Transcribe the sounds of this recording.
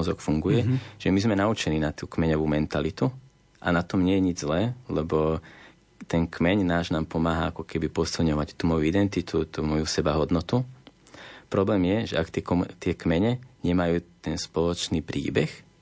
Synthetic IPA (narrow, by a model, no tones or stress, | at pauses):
ɔzɔkfuŋɡujɛʒ̥ɛmizmɛnaut͡ʃɛniːnat̪uːkmɛɲɔʋuːmɛnt̪alit̪u | ʔa̰nat̪ɔmɲɪɛjɛɲid͡ʒzlɛːlɛbɔ | t̪ɛnkmɛɲnaːʒnaːmpɔmaːɦaakɔkɛbipɔsilɲɔʋact̪umɔjuid̪ɛnt̪it̪ut̪umɔjusɛbaɦɔd̪nɔt̪u | pɾɔblɛːmjɛʒɛakt̪ɛkt̪ɪɛkmɛɲɛɲɛmajuːt̪ɛnspɔlɔt͡ʃniːpɾḭːbɛx